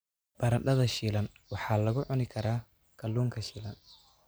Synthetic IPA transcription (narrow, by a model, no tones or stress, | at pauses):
b̥ɐɾɐɗɐðɐʃiːlɐnwɑħɑːlɐɣʊʕʊnɪkʰɐɾaː | kʰɐlːuːŋkʰɐʃiːlɐn